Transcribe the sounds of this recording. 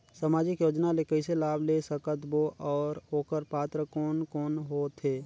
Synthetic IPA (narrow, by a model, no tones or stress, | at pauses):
səmaːd͡ʒɪkjoːd͡ʒnalekəɪselaːbʱlesəkət̪boʔɔːɾoːkəɾpaːt̪ɾəkɔːnkɔːnɦoːt̪ʰeː